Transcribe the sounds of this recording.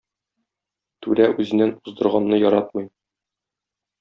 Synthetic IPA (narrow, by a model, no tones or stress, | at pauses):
t̪ʉlæʉzɘ̆nːænuzd̪ɤ̆ɾʁɑnːɤjɒɾɑt̪̚mɤj